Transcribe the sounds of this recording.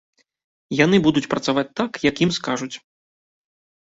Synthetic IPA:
janɨbud̪ut͡sʲpɾɐt̪savat͡sʲt̪ːakjakjimskaʐut͡sʲ

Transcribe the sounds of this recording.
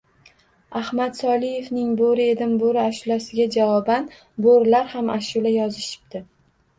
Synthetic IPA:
ahmat̪sɒlˠije̞fnɪŋboɾɪe̞d̪ɪmboɾɪaʃʊlasɪɡʲad͡ʒavɒban | boɾlaɾhamʔaʃʊlajɒzɪʃɪ̥bd̪̥ɪ

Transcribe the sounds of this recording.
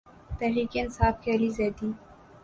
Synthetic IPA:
t̪ɛɦɾiːkeɪnsaːfkeɐlizeːd̪iː

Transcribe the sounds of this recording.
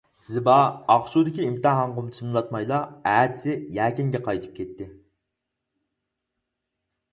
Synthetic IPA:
z̥ɨbɑɑχʃud̪ɪkʲiimt̪ɨɦɑɴʁʊmt̪ʰɨnlˠɑt̪mɑjlˠɑæːd̪ɪsɪjæːkʲɪŋɡʲɛqʰɑjt̪ʰɨ̥p̚kʲʰɛt̪ːɪ

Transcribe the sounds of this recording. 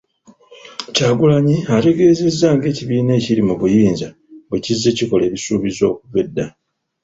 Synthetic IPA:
caːɡulaɲiate̞ɡe̞ːze̞zːaːŋɡe̞ːciβiːne̞ːcilimuβujiːnza | βwecizːe̞ciko̞le̞ːβisuːβizo̞ːkuve̞dːa

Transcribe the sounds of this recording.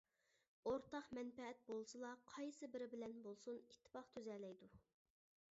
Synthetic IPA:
oɾt̪ɑχmɛnpɛɛt̪̚bolˠsɨlˠɑqʰɑjsɨbɪɾɪbɪlɛnbolˠsunit̪ʰːɪ̥pɑχt̪ʰyzɛlɛjd̪u

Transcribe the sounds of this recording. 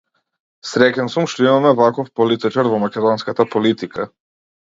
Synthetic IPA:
sɾɛcɛnsumʃt̪ɔimamɛvakɔfpɔlit̪it͡ʃaɾvɔmakʲɛd̪ɔnskat̪apɔlit̪ika

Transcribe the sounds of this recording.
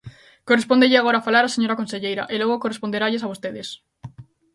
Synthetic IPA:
korespond̪eʎeaɣoɾafalaɾaseɲoɾakonseʎejɾa̰ʔeloɣ̞okorespond̪eɾaʎesaβost̪eðes

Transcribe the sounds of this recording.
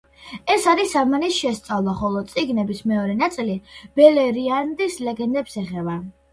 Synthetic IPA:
ɛsaɾisamanisʃɛst̪sʼavlˠaχɔlˠɔt̪sʼiɡnɛbismɛɔɾɛnat̪sʼilib̥ɛlɛɾiand̪islɛɡɛnd̪ɛpsɛχɛba

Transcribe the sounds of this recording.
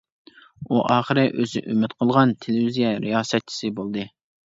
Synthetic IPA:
uʔɑːχəɾɨʔøzɪ̰ʔymɪt̪qʰəlˠʁɑnt̪ʰelɪvizijɛɾijɑːsɛt̪̚t͡ʃʰi̥sɨbolˠd̪ɨ

